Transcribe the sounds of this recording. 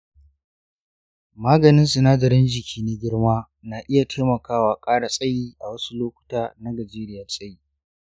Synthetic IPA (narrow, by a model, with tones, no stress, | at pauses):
maː˦ɡɐ˨nɪ˦nsʊ˨naː˦dɐ˨ɾɪ˦nd͡ʒɪ˨kʲʰiː˦ne˦ɡʲɪ˦ɽmaː˦ | naː˨ʔɪ˦ja˨tʰeː˦mɐ˨kaː˦waː˨kʼaː˦ɽa˨sʼɐ˦jiː˦ʔa˨wɐ˦su˦loː˦kʷʊ̥˦taː˦na˦ɡɐ˨d͡ʒeː˦ɾɪ˦jɐ˨sʼɐ˦jiː˦